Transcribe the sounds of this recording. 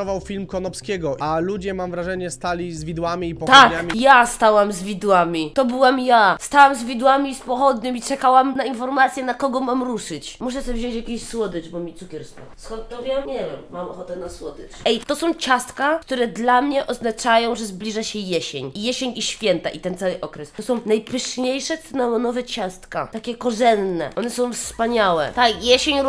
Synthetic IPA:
ɔvawfʲilmkɔnɔpskʲɛɡɔʔalud͡ʑɛmamvɾaʐɛɲɛst̪alʲizvʲid̪wamʲiːpɔt̪akɲamʲijast̪awamzvʲid̪wamʲit̪ɔbɘwamjast̪awamzvʲid̪wamʲiːspɔxɔd̪ɲɘmit͡ʂɛkawamnainfɔɾmat̪sʲjɛnakɔɡɔmamɾuʂɘt͡ɕmuʂ̬ɛsɛvʑɔ̃ɲ̃t͡ɕjakʲeɕswɔd̪ɨbɔmʲit̪ukʲɛɾst̪fa̰skɔnt̪̚ːɔvʲjɛmɲɛvʲɛmːamɔxɔt̪ɛnaswɔd̪ɨt͡ɕɛjt̪ɔsɔ̃w̃t͡ɕast̪kak̚t̪uɾɛd̪lamɲɛʔɔznat͡ʂajɔ̃w̃ʐɛzblʲiʐaɕɛjeɕeɲijeɕeɲiɕfʲjɛnt̪a̰ʔit̪ɛnt̪sawɘʔɔkɾɛst̪ɔsɔ̃w̃najpɘʂɲejʂɛsɨnɔlɔnɔvɛt͡ɕast̪ka̰t̪akʲɛkɔʐɛnːɛ̰ʔɔnɛsɔ̃w̃fspaɲawɛ̰t̪akjeɕeɲ

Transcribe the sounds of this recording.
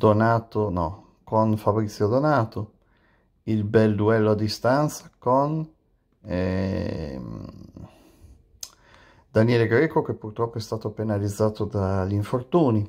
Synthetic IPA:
d̪onaːt̪onɔ̰ | konfabɾit̪sːjod̪onaːt̪o | ilbɛld̪uɛlːoad̪ist̪ant̪sakon | ɛ | d̪anjɛːleɡɾɛːkok̟epːurt̪ɾɔpːoɛst̪aːt̪openalid̪zːaːt̪od̪aʎiɱfort̪uːni

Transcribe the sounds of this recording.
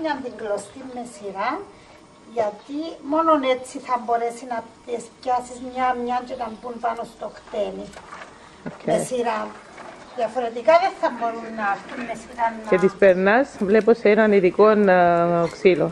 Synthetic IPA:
ɲand̪iŋɡlost̪imːesiɾan | jat̪imononet͡sːiθamboɾesinat̪escasizmɲamɲant͡ʃet̪ampunpanost̪oxt̪eni | okʰeesiɾan | ðjafoɾet̪̬ikaðeθːamboɾunnast̪imːesiɾanːket̪ispeɾnasvleposenaniðikonoksilo

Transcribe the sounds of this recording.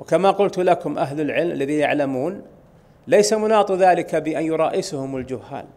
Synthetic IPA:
wɪkamaqʊlt̪lakʊmʔaɦlalʕɪlmalːaðijaʕlamuːn | lajsamʊnɑːt̪ˤðaːlɪkabɪʔanjʊɾˤɑːʔɪsʊhʊmald͡ʒʊhːa̰ːl

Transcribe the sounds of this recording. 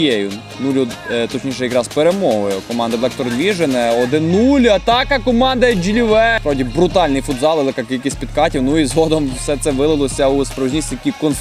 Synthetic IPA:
ɛjʊ | nulʲʊt̪ɔt͡ʃnʲiʃɛjikɾɑspeɾemɔɦʊjʊkɔmɑnd̪ɐlˠɛk̚t̪ɔɾd̪ʋʲiʒenɛɔd̪ɪnulʲʊɐt̪ɑkɐkɔmɑnd̪ɐd͡ʒʲilʲɪʋɛpɾɔwdʲibɾʊt̪ɑlʲnɪjfʊd̪zɑlˠʋɐlˠɛkɑkʲilʲkʲisʲtʲpʲit̪kɑtʲiwnuizɦɔd̪ɔmwsɛt̪sɛʋɪlˠɪlˠɔsʲɐuspɾɔʋiznʲisʲt̪ʲit̪ɐkʲikɔnf

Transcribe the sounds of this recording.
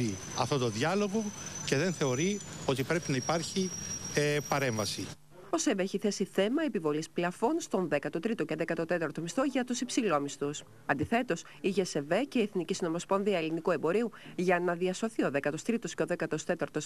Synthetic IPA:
i | ɐ̰ft̪o̞t̪o̞ðɐlo̞ɣo̞ce̞ðe̞nθe̞o̞ɾio̞t̪ipɾe̞pinɐipɐɾçi | pɐɾe̞ɱvɐsi | o̞seveçiθe̞siθe̞mɐepivo̞lisplɐfo̞nst̪o̞nðe̞kɐt̪ot̪ɾit̪oceðe̞kɐt̪ot̪e̞t̪ɐɾt̪o̞mist̪oʝɐt̪usipsilo̞mist̪us | ɐnd̪iθe̞t̪o̞s | iʝese̞ve̞ce̞ieθnicisino̞mo̞spo̞nðiɐelinikue̞mbo̞ɾiuʝɐnɐðiɐso̞θioðe̞kɐt̪ost̪ɾit̪osceo̞ðe̞kɐt̪ost̪e̞t̪ɐɾt̪o̞s

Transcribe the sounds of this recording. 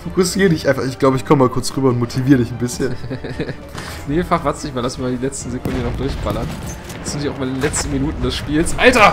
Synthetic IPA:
fokʊsiːʁədɪçʔãɪnfaχɪçɡ̥laʊbəɪçkʰɔməmaːlkʰʊɐt͡sʁyːbɐʊntmotʰiviːʁədɪçn̩bɪsçən | nefaχv̥asnɪçmaːlasn̩viɐmaːldiːlɛt͡stn̩zekʰʊndnɔχd̥ʊɐçb̥alɐn | asz̥ɪntviːaʊmaːlɪndenlɛt͡stn̩minuːtn̩dɛsʃpiːlsʔaltɐ

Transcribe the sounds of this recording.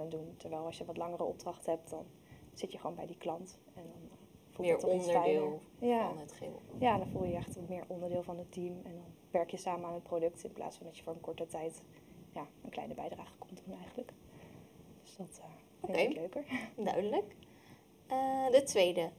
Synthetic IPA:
nəduntɛɹʋɛjlˠɑʃjəʋɑtlɑŋərəʔɔ̰b̚drɑχtɦɛp̚tdɑn | z̥ɪtjəχəʋownmbɛ̰jdiklɑnt | ɛndɑn | fulˠmjəɹtːnəɛjɪlˠjanətχɪ̰lˠjaːdɑnvulˠjəɛχtʋɑtmɪːɹʔɔndəɹdɪːlˠvɑnətimɛndɑn | ʋɛɹkjəsaːməaːnɦət̚prodɵk̚tɪnplʔa̰ːtsfɑndɑtjəvʊːɹənkɔɹtətɛjt | jaːənklɛ̰jnəbɛjdraːχə̥kɔmdunɛjχənlək | d̥ɵsd̥ɑtə | fɪnɪkløɥkəɹdœ̰ɥdələk | ədətʋejdə

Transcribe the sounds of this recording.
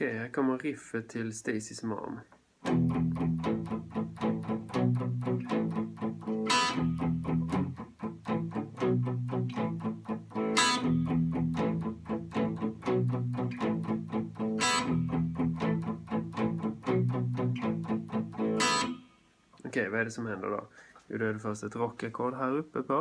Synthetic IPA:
kɛjhæɾkʰɔmːəɾɪfət̪ʰɪlst̪ɛːsɪsmɑ̰m | ʔɔkʰɛjvaɛɖɛsɔmhɛnd̪ə̰ɖɔ̰jʊ̰d̪ɔɛd̪ɛfœɾst̪ɛt̪ɾɔkːakʰɔlɦæːɾɵpːəpʰɔ

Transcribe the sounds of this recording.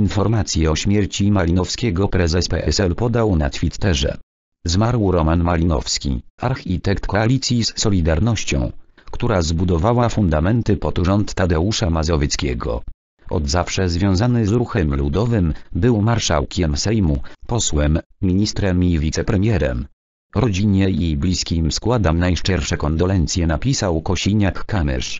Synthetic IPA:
infɔɾmat̪sʲjɛɔɕmʲjɛɾt͡ɕimalʲinɔfskʲɛɡɔpɾɛzɛspɛ̰ʔɛsɛlpɔd̪awna̰t̪fʲit̪ːɛʐɛ̰ | zmaɾwɾɔmanmalʲinɔ̰fskʲḭaɾxʲit̪ɛkt̪kɔalʲit̪sʲjisːɔlʲid̪aɾnɔɕt͡ɕɔ̰̃w̃kt̪uɾazbud̪ɔvawafund̪amɛnt̪ɘpɔt̪ʐɔnt̪ːad̪ɛuʂamazɔvʲjɛt̪skʲɛ̰ɡɔ̰ | ʔɔ̰d̪zafʂɛzvʲjɔ̃w̃zanɘzɾuxɛmlud̪ɔvɘmbɘwmaɾʂa̰wkʲɛmsɛjmupɔswɛmmʲiɲist̪ɾɛmivʲit̪sɛpɾɛmʲjɛɾɛ̰m | ɾɔd͡ʑiɲɛjiblʲiskʲimskwad̪amnajʂt͡ʂɛɾfʂɛkɔnd̪ɔlɛnt̪sʲjɛnapʲisawkɔɕiɲakːamɛ̰ʂ

